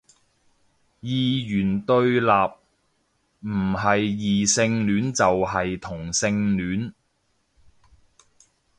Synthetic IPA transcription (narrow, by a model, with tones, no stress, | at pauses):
jiː˧jyː˨˩nt̪ɵ˧ɥlaː˨p̚ | m̩˨˩ɦɐ˨jːiː˨sɪ˧ŋnyː˨˥nt͡sɐ˨wɦɐ˨jt̪ʰʊ˨˩ŋsɪ˧ŋlyː˨˥n